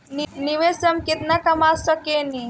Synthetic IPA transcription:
nniʋesəmkit̪nakɐmasɔkeni

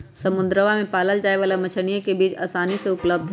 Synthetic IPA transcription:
sɐmʊ̃nd̪ɾəʋamẽpaːləld͡ʒaːeʋaːlamɐt͡ʃʰəñijẽkebiːt͡ʃa̰ːsaːniseʊpləb̚d̪ʱ

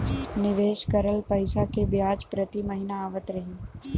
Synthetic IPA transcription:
nɪʋeːʃkɐɾəlpɐɪʃakebjaːd͡ʒpɾɐt̪imɐɦɪnaaːʋət̪ɾɐɦẽː

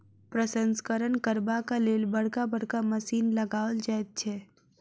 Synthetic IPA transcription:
pɾəsənskəɾənkəɾbakaleːlbəɽ̤kabəɽ̤kaməsiːnləɡaːəld͡ʒaet̪̚t͡ʃʰɛ

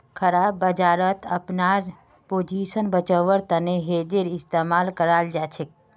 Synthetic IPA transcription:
kʰəɾabːəd͡ʒaːɾət̪ʰəpnaɾ | poːd͡ʒisənbət͡ʃəʋəɾt̪əneɦed͡ʒeɾɪst̪emaːlkəɾald͡ʒat͡ʃʰek̚

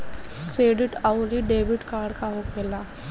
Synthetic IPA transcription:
kɾeːɖɪʈaʊɾiɖeːʋɪʈkaːɾɽkaɦokʰeːlaː

